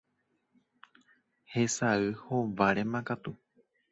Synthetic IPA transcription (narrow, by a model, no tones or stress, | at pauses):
hesaɨhoʋaɾemãkat̪u